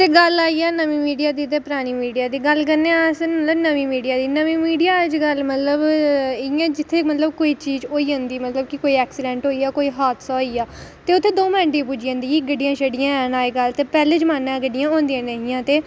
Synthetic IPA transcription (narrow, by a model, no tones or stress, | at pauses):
t̪eːɡəlaːiːɛːnəʋĩːmiːɖijaːd̪iːt̪eːpəɾaːɽ̃iːmiːɖijaːd̪iːɡəlkəɾnẽːsmət̪ləbnəʋĩːmiːɖijaːd̪iːnəʋĩːmiːɖijaːəd͡ʒɡəlmət̪ləbɪãːd͡ʒɪt̪ʰːeːmət̪ləbkoːiːt͡ʃiːd͡ʒoːiːɦõnd̪iːmət̪ləbkɪkoːiːɛːksɪɖɛ̃ːɳʈɦoːiːaːkoːiːɦaːt̪saːoiːaːt̪eːʊt̪ʰːeːd̪oːmɪəɳʈĩp̬uːd͡ʒiːõːnd̪iːiɡəɖijãːʃəɖɪjãːnaːeːɡəlt̪eːpɛːleːt͡ʃmaːnːãːɡəɖɪjãːõːnd̪ijãːnəɦɪ̃jãːt̪eː